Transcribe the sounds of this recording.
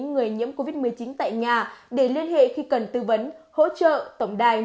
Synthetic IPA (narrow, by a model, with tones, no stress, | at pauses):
ŋŋɨ˨˩əjɲḭ˧˥əmko˧vi˦˥t̚mɨ˨˩əjt͡ɕi˨˦nt̪a̰ː˧˨jɲaː˨˩ɗe˧˩li˧ənhḛ˧˨xi˧kə˨˩nt̪ɨ˧və˨˦nho̰˧˥t͡ɕə̰ː˧˨t̪ə˧˩wŋ͡mɗaː˨˩j